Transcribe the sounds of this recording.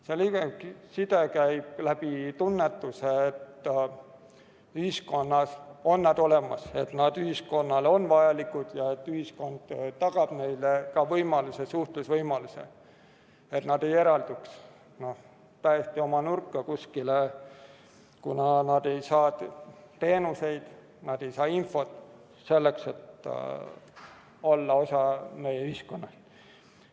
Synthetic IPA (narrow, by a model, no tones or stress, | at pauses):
seliɡeisid̪̥ekæjb̥læb̥it̪unːet̪ːuseːt̪ː | yhisko̞nːɑso̞nːæd̪̥o̞le̞mɑse̞t̪nɑd̪̥yhisko̞nːɑlo̞nvɑjɑlikud̪̥jɑe̞t̪ːyhisko̞nd̪̥t̪ɑɡ̥ɑb̥ne̞jlekɑvɤjmɑlusesuht̪lusvɤjmɑlusḛ | e̞t̪nɑd̪̥e̞je̞ɾɑld̪uks | no̞h | t̪æjest̪io̞mɑnurkːɑkuskile | kunɑnɑd̪̥e̞jsɑː | t̪e̞ːnuse̞jd̪̥ | nɑd̪̥e̞jsɑːinfo̞t̪ːˑ | se̞lːekse̞t̪ | o̞lːɑo̞sɑne̞jeyhisko̞nːɑs